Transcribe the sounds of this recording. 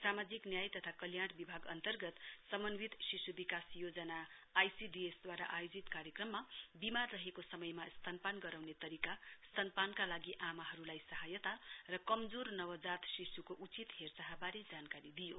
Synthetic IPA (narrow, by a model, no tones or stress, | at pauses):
samad͡ziknjajt̪ʌt̪ʰakʌljaɽbibʱaɡʌ̰nt̪ʌrɡʌt̪sʌmʌnwit̪sisubikasjod͡zʌnaːjsiɖiesd̪waɾa̰ʔajod͡zit̪kaɾjekrʌmːabimarrʌɦekosʌmʌjmast̪ʰanpanɡʌɾawnet̪ʌɾikast̪ʰʌnpankalaɡiʔamaɦʌɾulajsʌɦajʌt̪arʌkʌmd͡zornʌwʌd͡zat̪sisukoʔut͡sit̪ɦert͡saɦabaɾed͡zankaɾid̪ijo̰